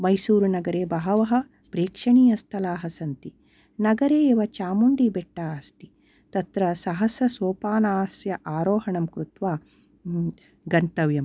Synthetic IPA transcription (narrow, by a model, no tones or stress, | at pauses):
mɐjsuːɾunɐɡɐɾeːbɐɦɐʋɐɦɐ̆ | pɾeːkʂɐɳiːjɐst̪ʰɐlaːɦɐsɐnt̪i | nɐɡɐɾeːʋɐt͡ʃaːmuɳɖibeʈːaːst̪i̥ | t̪ɐt̪ɾɐsɐɦɐsɾɐsoːpaːnaːsjɐʔaːɾoːɦɐɳɐmkɾut̪ʋaː | ɡɐnt̪ɐʋjɐm